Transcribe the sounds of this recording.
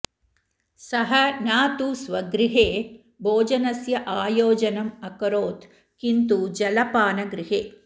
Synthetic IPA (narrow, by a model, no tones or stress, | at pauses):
sɐɦɐnaːt̪usʋɐɡɾɪɦeː | bʱoːd͡ʒɐnɐsjɐʔaːjoːd͡ʒɐnɐmɐkɐɾoːt̪ | kint̪ud͡ʒɐlɐpaːnɐɡɾɪɦeː